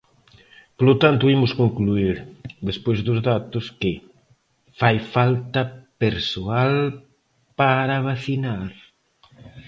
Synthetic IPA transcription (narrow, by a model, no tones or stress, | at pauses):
polot̪ant̪ʊimʊskoŋkluiɾd̪espojzðʊzðat̪ʊskɪ | fajfalt̪ɐpeɾsoal | paɾaβaθinaɾ